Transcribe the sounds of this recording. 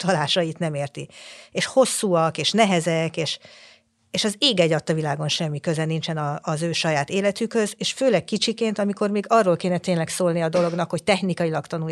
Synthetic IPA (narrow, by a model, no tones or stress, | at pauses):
t̪ɒlaːʃɒit̪nɛmeːrt̪ieːʃho̞sːuːɒkeːʃnɛɦɛzɛkeːʃ | eːʃɒzeːɡɛɟɒt̪ːɒvilaːɡo̞nʃɛmːikø̞zɛnint͡ʃɛnɒːzøːʃɒjaːt̪eːlɛt̪ykhø̞zeːʃføːlɛk̚kit͡ʃikeːnt̪ɒmiko̞rmiːɡɒrːoːlkeːnɛt̪eːnlɛksoːlniɒd̪o̞lo̞ɡn̪ɒkho̞ct̪ɛxnikɒjilɒkt̪ɒnu